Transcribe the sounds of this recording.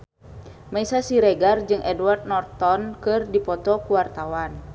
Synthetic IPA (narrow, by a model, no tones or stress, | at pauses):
maisasiɾɛɡard͡ʒɨŋʔɛduard̪̚nɔrt̪ɔnkɨrdipɔt̪ɔkuwart̪awan